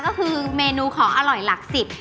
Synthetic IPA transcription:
kɔː˥˩kʰɯː˧meː˧nuː˧kʰɔː˩˦ŋʔa˧ɾɔ˨˩jla˨˩k̚si˨˩p̪̚

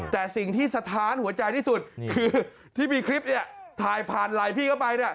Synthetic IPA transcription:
t̪ɛː˨˩si˨˩ŋt̪ʰiː˥˩sa˧t̪ʰaː˨˦˥nhu˩˦ɐt͡ɕa˧jt̪ʰiː˥˩su˨˩t̪̚kʰɯː˧ | t̪ʰiː˥˩miː˧kʰɾi˦˥p̚ni˥˩ɐt̪ʰaː˨˩jpʰaː˨˩nla˨˩jpʰiː˥˩ka˥˩wpa˧jni˥˩ɐ

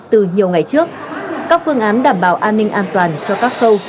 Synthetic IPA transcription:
t̪ɨ˨˩ɲi˨˩əwŋa˨˩jt͡ɕɨ˦˥ək̚ | kaː˦˥k̚fɨ˧əŋʔaː˨˦nɗaː˨˩mɓaː˧˩wʔaː˧nːï˧ŋ̟ʔaː˧nt̪waː˨˩nt͡ɕɔ˧kaː˦˥k̚xə˧w

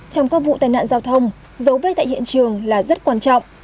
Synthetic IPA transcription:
t͡ɕɔ˧wŋ͡mkaː˦˥k̚vṵ˧˨t̪aː˨˩jna̰ː˧˨nzaː˧wt̪ʰə˧wŋ͡m | zə˨˦wvəː˨˦jt̪a̰˧˨jhḭ˧˨ənt͡ɕɨ˨˩əŋlaː˨˩zə˦˥t̚kwaː˧nt͡ɕɔ̰˧˨wŋ͡mʔ

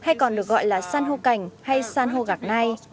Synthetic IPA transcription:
ha˧jkɔ˨˩nɗɨ˨˩ək̚ɣɔ̰˧˨jlaː˨˩saː˧nɦo˧ka˨˩jŋ̟ha˧jsaː˧nɦo˧ɣaː˨˩k̚na˧j

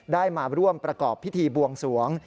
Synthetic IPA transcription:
daː˥˩jmaː˧ɾu˥˩əmpɾa˧kɔː˨˩pʰːi˦˥t̪ʰiː˧bu˧əŋsu˨˩˦əŋ

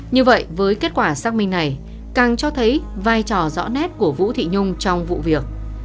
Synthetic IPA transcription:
ɲɨ˧və̰˧˨jvəː˨˦jke˦˥t̚kwaː˧˩saː˦˥k̚mï˧ŋna˨˩j | kaː˨˩nt͡ɕɔ˧t̪ʰə˨˦jvaː˧jt͡ɕɔ˨˩zɔ̰˧˥nɛ˦˥t̚ku˧˩əvṵ˧˥t̪ʰḭ˧˨ɲʊ˧ŋ͡mt͡ɕɔ˧wŋ͡mvṵ˧˨vi˨˩ək̚

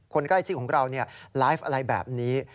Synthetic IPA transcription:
kʰo˧nkla˥˩t͡ɕʰːkʰɔː˩˦ŋ˧ɾa˧wni˥˩ɐlaː˦˥fʔa˧ɾa˧jbɛ̰ː˨˩p̚niː˦˥

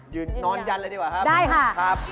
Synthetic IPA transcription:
jɯː˨˩nːɔː˧nt͡ɕa˧nlɤː˧˦jdi˧˩kwaː˨˩kʰa˦˥daː˥˩jkʰa˥˩kʰɾa˦˥p̚

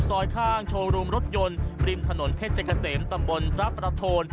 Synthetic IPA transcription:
sɔː˧jkʰaː˥˩ŋt͡ɕʰoː˧ŋɾuː˧mɾo˦˥t̪̚jo˧nɾi˧mt̪ʰa˧no˩˦npʰe˦˥t̪̚t͡ɕa˧ka˧seː˩˦mt̪a˧mbo˧npʰɾa˦˥pɾa˧t̪ʰoː˧n

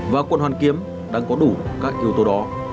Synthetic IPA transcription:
vaː˨˩kwə˧˨nhwaː˨˩nki˨˦əm | ɗa̰ː˧˥ŋkɔ˨˦ɗu˧˩kaː˦˥k̚ʔi˧˦əwt̪o˨˦ɗɔ˨˦

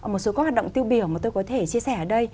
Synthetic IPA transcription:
mo˨˩t̚so˨˦kɔ˨˦ha˨˩ɗə̰˧˨ŋ͡mt̪i˧əwɓi˧˩əwmaː˨˩t̪o˧jkɔ˨˦t̪ʰe˧˩t͡ɕi˧əsɛ˧˩əː˧˩ɗə˧j

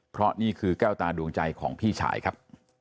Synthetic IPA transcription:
pʰɾɔ˦˥niː˥˩kʰɯː˧kɛː˥˩wt̪aː˧du˧əŋt͡ɕa˧jkʰɔː˩˦ŋpʰiː˥˩t͡ɕʰa̰ː˩˦jkʰa˦˥p̚

